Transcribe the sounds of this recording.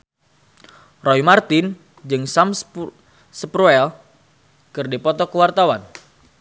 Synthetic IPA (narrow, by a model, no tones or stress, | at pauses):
rɔjmart̪ɪn | d͡ʒɨŋsams | səpɾuɛl | kɨrdipɔt̪ɔkəwart̪awan